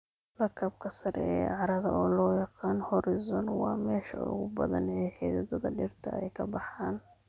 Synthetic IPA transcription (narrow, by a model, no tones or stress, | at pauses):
rɐkʰɐbkʰɐsɐɾɛɛːʕɑɾɐðɐʔɔːlɔːjɑqɑːnhɔɾɪzɔnwɑːmɛːʃɐʊ̰ɣʊbɐðɐ̰nɛːħɛːðɐðɔðɐɖɪrt̪ʰɐ̰ɛjkʰɐbɑħaːn